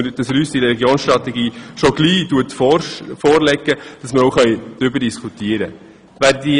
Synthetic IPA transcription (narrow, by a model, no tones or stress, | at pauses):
əd̥ɑsɾyːsd̥iɾɛɛɡjoːnsʃtɾɑt̪ɛɡiːʃoɡ̥liːduətfɔfɔːɾlɛɡːəd̥ɑsməoʊχœʏd̥ɾʏbəɾdiskʰut̪iəɾə | ʋæːɾdi